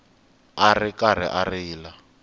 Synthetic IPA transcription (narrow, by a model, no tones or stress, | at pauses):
arɪkaɾ̤ɪ̰ʔarɪːla